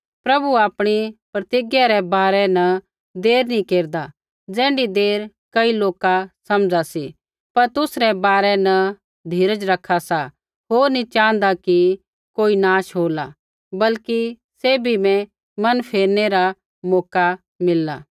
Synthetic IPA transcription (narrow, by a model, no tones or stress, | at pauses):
pɾɐbuaːpɽ̃ipɾɐt̪ɪɡjaɾɛbaːɾɛnɐ | d̪eːɾnikeːɾd̪a | d͡zɛ̃ːɳɖid̪eːɾ | kɐiloːkasɐmd͡zasi | pɐɾt̪ʊsɾɛbaːɾɛnɐ | d̪ʱiːɾəd͡ʒɾɐkʰːasa | ɦoːɾnit͡ʃãːə̃nd̪aki | koːinaːʃɦoːla | bɐlki | seːbʱimɛ̃ | mɐnpʰeːɾneɾa | mɔːka | mɪlːa̰ː